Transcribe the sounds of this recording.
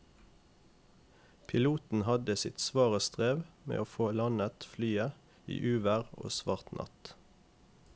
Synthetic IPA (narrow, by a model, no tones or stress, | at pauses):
pʰɪluːt̪n̩hɑd̪əsɪt̪sʋɑːʁəst̪ʁeːʋmḛːʔoːfoːlɑnət̪flyːə | ḭːʔʉːʋəʁo̰ːsʋɑːʁt̪nʔɑ̰t̪